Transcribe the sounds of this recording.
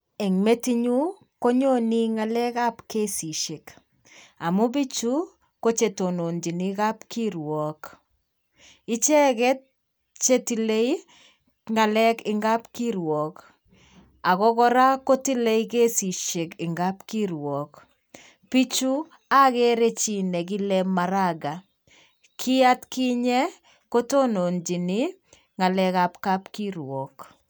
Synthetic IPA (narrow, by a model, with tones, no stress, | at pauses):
ɛ˨ŋme˦ti˦ɲu˦ | ko˦ɲo˦ni˦ŋa˨lɛ˦ka˦pke˦si˨ʃe˨k | a˨mʊ˦bi˦t͡ʃu˦ | ko˦t͡ʃe˨to˨no˨nd͡ʒi˨ni˦ka˦pkiɾwɔk | ɪ˦t͡ʃɛ˦kɛ˦t̚ | t͡ʃe˦ti˨le˦i | ŋa˨lɛ˦kɪ˨ŋɡa˦pkiɾwɔ˨k | a˨ɣɔ˦ɣɔ˦ɾa˦ko˦ti˦le˦i˦ke˦si˨ʃe˨kɪ˨ŋɡa˦pki˦ɾwɔ˨k | pi˦t͡ʃu˦ | a˦ɣɛ˦ɾe˦t͡ʃi˨nɛ˨ɡi˦lɛma˨ɾaɡa˨ | kʰi˦a˦tki˦ɲɛ˦ | ko˦to˦no˨nd͡ʒi˨ni˦ | ŋa˨lɛ˦ka˨pka˦pki˦ɾwɔ˨k